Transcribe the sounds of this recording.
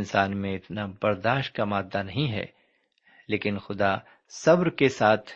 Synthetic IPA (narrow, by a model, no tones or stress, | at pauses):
nsaːnmẽɪt̪nabɐɾd̪aːʃʈ̚kamaːd̪ːanɐɦĩɦɛ̰ː | leːkɪnxʊd̪a | sɐbɾkesaːt̪ʰ